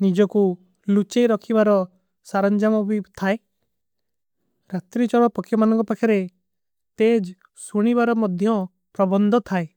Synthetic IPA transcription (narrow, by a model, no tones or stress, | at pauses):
nid͡ʒɔku | lut͡ʃejɾɔkʰibaɾɔ | saɾɔnd͡ʒamɔbit̪ʰae | ɾat̪ɾit͡ʃɔɽɔpɔkʰjɔmanɔŋkɔpakʰɔɾe | t̪ed͡ʒ | suɽ̃ibaɾɔmɔd̪ʱjɔ | pɾɔbɔnd̪ʱɔt̪ʰae